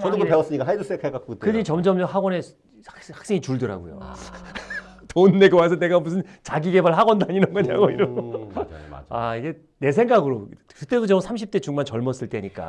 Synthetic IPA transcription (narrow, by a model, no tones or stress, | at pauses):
ʌnɯpeʌs͈ɯɲik͈aɦajdɯs͈ekʰak͈ak͈̚utkɯɲit͡ɕʌmd͡ʑʌmjʌɦaɡwʌne̞ | hḁk̚s͈e̞ŋit͡ɕuɭdɯɾa̰ɡo̰jo̰ | tonːe̞kɯwasʰʌne̞ɡamusʰɯnt͡ɕaɡiɡe̞baɭɦaɡʌndaɲinʌŋɡʌɲa̰ɡoiɾo | aiɡe̞ | ne̞sʰe̞ŋɡaɡɯɾokɯt͈e̞dot͡ɕʌmsʰamɕʰip̚t͈e̞t͡ɕuŋmant͡ɕʌɭmʌs͈ɯɭt͈e̞ɲik͈a̰